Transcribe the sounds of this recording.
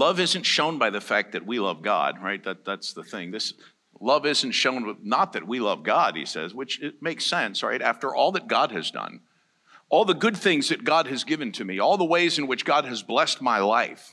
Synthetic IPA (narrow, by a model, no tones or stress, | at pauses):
lʌvɪzɨ̃n̩tʃõʊ̃nbaɪðɨfæk̚ðɨt̚wilʌvɡɑ̰d̥̚ɹaɪt̪̚ðæt̪̚ðætsðəθɪ̃ŋðɪs | lʌvɪzn̩tʃõʊ̃nnət̪̚ðɨt̚wilʌvɡɑd̥̚hḭsɛ̰zwɨt͡ʃɪmeɪksɛ̃nsɹa̰ɪɾæ̰ftə˞ʔɔlˠðɨt̚ɡ̥ɑd̚ɨ̰zdʌ̰̃n | ʔɔlˠðəɡʊd̪̚θɪ̃ŋzðɨt̚ɡ̥ɑd̚ɨzɡɪvɨ̃ntʰɨmiɔlˠðəweɪzɨ̃nwɨt͡ʃɡ̥ɑd̚ɨzblɛst̚maɪlaɪf